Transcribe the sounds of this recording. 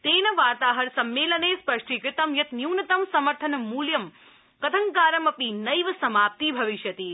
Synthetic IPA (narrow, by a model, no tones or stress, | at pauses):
t̪eːnɐʋaːt̪aːɦɐɾsɐmːeːlɐneːspɐʂʈʰikɾɪt̪ɐmjɐt̪njuːnɐt̪ɐmsɐmɐɾt̪ʰɐnɐmuːljɐm | kɐt̪ʰɐŋkaːɾɐmɐpinɐjʋɐsɐmaːp̚t̪ibʱɐʋiʃjɐt̪iː